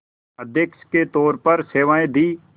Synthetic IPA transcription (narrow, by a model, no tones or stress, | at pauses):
əd̪ʱjəkʃket̪ɔːɾpɐɾseːʋaːẽd̪iː